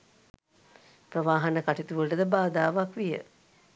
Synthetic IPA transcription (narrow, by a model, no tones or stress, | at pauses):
prəʋaːɦanəkaʈit̪uʋəʈəd̪əbaːd̪aːʋakʋijə̰